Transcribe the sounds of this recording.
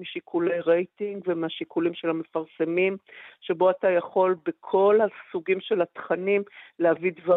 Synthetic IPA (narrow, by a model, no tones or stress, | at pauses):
miʃikʰulejʁe̞jtiŋɡvemeaʃikulimʃelhame̞faʁsemimʃe̞bo̞atajaχo̞lbekʰo̞lhasuɡimʃe̞lhatχanimlehavidva